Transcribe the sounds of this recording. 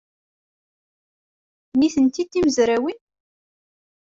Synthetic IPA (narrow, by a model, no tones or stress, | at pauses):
niθənt̪id̪ːiməzɾæwin